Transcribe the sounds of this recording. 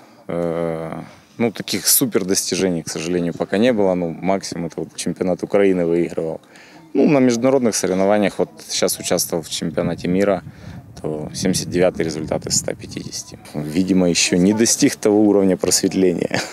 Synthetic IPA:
ə | nut̪ɐkʲixsupʲɪrd̪əsʲtʲɪʐɛnʲɪjksəʐɨlʲenʲɪjʊpɐkanʲebɨlˠənomaksʲɪmʊmɛt̪əot̪t͡ɕɪmʲpʲɪɐnat̪ʊkɾɐinɨvɨiɣɾəvəlˠ | nunəmʲɪʐd̪ʊnɐɾo̞d̪nɨxsəɾʲɪvnɐvanʲɪjəxvo̞t̪ɕːasʊt͡ɕast̪vəvəlˠft͡ɕɪmʲpʲɪɐnatʲɪmʲiɾət̪ʰosʲemʲdʲɪsʲət̪̚dʲɪvʲat̪ɨjɾʲɪzʊlʲt̪a̰t̪ɨst̪a̰pʲɪtʲḭdʲɪsʲɪ̥tʲɪvʲidʲɪməjɪɕːonʲɪd̪ɐsʲtʲixt̪ɐvo̞uɾəvnʲəpɾəsʲvʲɪt̪lʲenʲɪ̰jə̰

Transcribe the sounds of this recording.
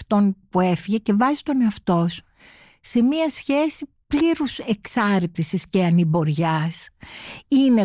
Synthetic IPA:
ft̪o̞npue̞fiʝe̞ce̞vɐzist̪o̞ne̞ɐft̪o̞s | se̞miɐsçe̞si | pliɾuse̞ksɐɾt̪isisce̞ɐnibo̞ɾʝɐs | ine

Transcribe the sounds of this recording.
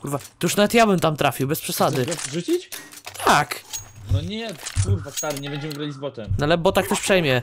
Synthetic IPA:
kuɾvat̪ɔjuʂnavɛt̪jabɘmt̪amt̪ɾafʲiwbɛspʂɛsad̪ɘʐut͡ɕit͡ɕ | t̪ʰaknɔɲɛkuɾvast̪aɾɘɲɛbɛɲd͡ʑɛmɘɡɾalʲizbɔt̪ɛmnalɛbɔt̪ak̚t̪ɛʂpʂɛjmʲjɛ

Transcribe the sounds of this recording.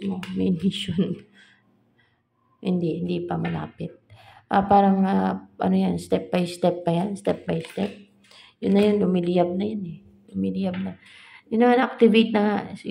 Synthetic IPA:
omɛnɪʃon | hɪnd̪ihɪnd̪ipɐmɐla̰ːpɪt̪̚ʔapaːɾɐŋaʔɐ̰nojanst̪ɛp̚bɐjst̪ɛp̚ːɐjanst̪ɛp̚bɐjst̪ɛp̚ | jʊnːɐjonlʊmilɪjab̚nɐjonɛ | lʊmilɪjab̚nɐ | jʊnːɐmanɐk̚t̪ɪvit̪̚nɐŋaʔsɪ

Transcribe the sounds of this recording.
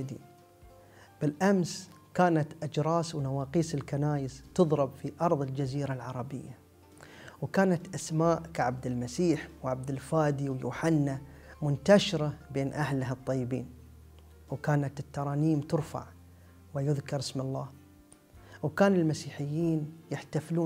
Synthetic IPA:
d̪ḭːn | b̥ɪlʔams | kaːnat̪ʔad͡ʒɾˤɑːswnawɑːqiːsɪlkanaːjɪst̪ɨðˤɾɪbfiʔɑɾˤðˤɨld͡ʒaziːɾalʕɑɾˤɑbɪjːa | wkaːnat̪ʔasmaːʔkaʕab̚d̪ɪlmasiːħwʕab̚d̪ɪlfaːd̪iwjṵːħanːa | mʊnt̪aʃɪɾabeːnʔahlaɦɨt̪ˤːɑjːɪbḭːn | wkaːnat̪ɪt̪ːɑɾˤɑːniːmt̪ʊɾfa̰ʕ | wɪjʊðkɑɾˤɪsmɑlˤːɑː | wkaːnɪlmasiːħɪjːiːnjɪħt̪afluː

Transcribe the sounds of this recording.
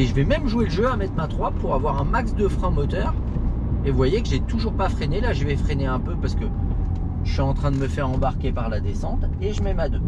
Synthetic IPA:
eʒəvɛmɛmʒueləʒøamɛt̪χmat̪χwapuʁavwaʁɛ̃maksd̪əfχɛ̃mɔt̪œʁ | evwajekəʒet̪uʒuʁpafχenelaʒəvɛfχeneɛ̃pøpaʁsə̥kə | ʒəsɥiɑ̃t̪χɛ̃d̪əməfɛʁɑ̃baʁkʲepaʁlad̪esɑ̃t̪eʒəmɛmad̪ø

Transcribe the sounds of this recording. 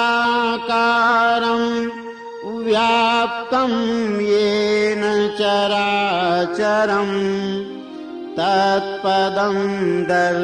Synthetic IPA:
kaːɾɐm | ʋjaːp̚t̪ɐmjeːnɐt͡ʃɐɾaːt͡ʃɐɾɐm | t̪ɐt̪̚pɐd̪ɐmd̪ɐɾ

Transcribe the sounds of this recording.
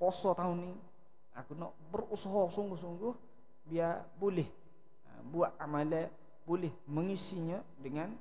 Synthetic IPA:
pɔsɔt̪auni | a̰kunɔʔbərusɔɦɔsuŋɡʊhsuŋɡʊh | biabolɪh | buaʔamalɛ | bolɪhməŋisiɲə | dəŋan

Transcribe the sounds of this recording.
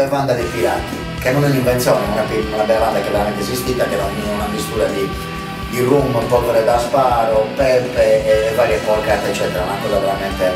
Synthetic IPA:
ɛvand̪ad̪ifiɾati | kenːonɛniɱvɛnt̪sjɔːnɛnonapiunabɛlavand̪akevɛɾamɛnt̪ɛzist̪it̪akɛɾaunamist̪uːɾad̪i | d̪irumːoumpɔkɔɾed̪aspaːɾopɛlpɛːvaːɾjɛfɔɾkat̪ɛt͡ʃːɛːt̪ɛɾaunakɔːzaveɾamɛnt̪e

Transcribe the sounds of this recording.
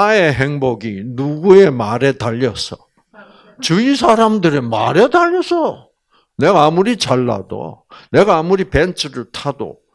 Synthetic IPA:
ae̞ɦe̞ŋboɡinuɡue̞maɾe̞taʎːʌs͈ʌ̥̰ | t͡ɕɯisʰaɾamdɯɾema̰ɾe̞taʎːʌs͈ʰʌ | ne̞ɡaːmuɾit͡ɕaɭːa̰do̰ne̞ɡaːmuɾipe̞nt͡ɕʰɯɾɯɭtʰado̰

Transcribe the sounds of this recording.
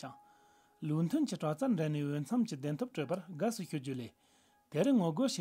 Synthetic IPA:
t͡ɕɑŋ | lun̥t̪ʰønt͡ɕəʈ͡ʂat͡sʰaɳɖ͡ʐeniɦwøn̥t͡sʰamt͡ɕəd̪ent̪ʰop̚ʈ͡ʂøʔparɦɡasʰuɕʰuɦd͡ʑule | t̪eɾənŋoɡoɕe

